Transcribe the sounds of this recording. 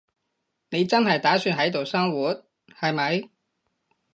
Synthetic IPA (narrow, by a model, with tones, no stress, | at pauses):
ne˨˧jt͡sɐ˥nhɐ˨jt̪aː˨˥syː˧nɦɐ˨˥jt̪o˨wsɐ˥ŋwuː˨˥t̚ | hɐ˨jmɐ˨˧j